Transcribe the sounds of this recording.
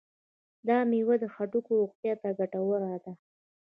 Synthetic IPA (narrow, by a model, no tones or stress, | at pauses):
d̪ɑmiwad̪əxaʈukoʊqt̪jɑt̪aɡaʈawəɾad̪a